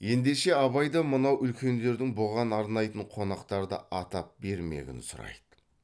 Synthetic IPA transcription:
je̞nd̪e̞ʃe̞ɑβɑjd̪ɑmənɑwʔʏlkʲe̞nd̪e̞ɾd̪ɪŋboʁɑnɑɾnɑjt̪əɴqʰo̞nɑqt̪ɑɾd̪ə̰ʔɑt̪ɑp̚be̞ɾmḛɡʲɪ̰nsʊɾɑ̰jd̪ə̥

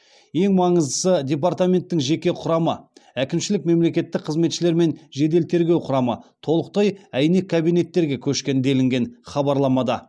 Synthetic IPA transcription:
je̞ŋmɑɴəzd̪əsədʲe̞p̬art̪amʲe̞nt̪ːɪŋʒe̞kʲe̞qʰʊɾɑməækʲɪmʃɪlɪk̚me̞mle̞kʲe̞t̪ːɪk̚qʰəzme̞t̪ʃɪle̞ɾme̞nʒe̞d̪e̞lt̪ʰe̞ɾɡʲe̞wqʰʊɾɑmət̪ʰo̞lˠəq̚t̪ɑjæjne̞kʰːabijne̞t̪ːe̞ɾɡʲe̞kʲʰɵʃkʲe̞nd̪e̞lɪŋɡʲe̞nχɑbɑɾlˠɑmɑd̪ɑ

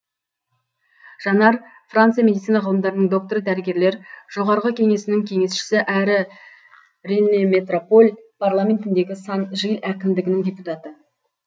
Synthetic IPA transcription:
ʒ̥ɑnɑɾ | frant̪sɨjamʲe̞d̪it̪ijnɑʁɑlˠəmd̪ɑɾənəɴd̪o̞k̚t̪oɾəd̪æɾɪɡʲe̞ɾle̞ɾʒ̥o̞ʁɑɾʁəkʲʰe̞ŋe̞sɪnɪŋkʲʰe̞ŋe̞sʃɪ̥sɪʔæɾɪ | ɾenːeme̞t̪ro̞po̞lʲpʰarlˠamʲe̞nt̪ɪnd̪e̞ɡʲɪsɑnʒəjəlˠækʲɪmd̪ɪɡʲɪnɪŋdʲe̞put̪ɑt̪ə

